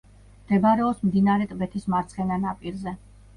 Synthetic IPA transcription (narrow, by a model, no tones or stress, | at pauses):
md̪̥ɛbaɾɛɔpsmd̪inaɾɛt̪ʼbɛt̪ʰismaɾt̪sʰχɛnanapʼiɾzɛ